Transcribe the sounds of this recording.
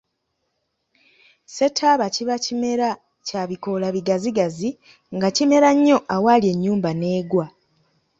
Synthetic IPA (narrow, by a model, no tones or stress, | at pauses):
se̞tʰaβaciβacime̞ɾa | caβiko̞laβiɡaziɡazi | ŋɡacime̞ɾaɲːo̞ʔawalje̞ɲːuːmbane̞ːɡwa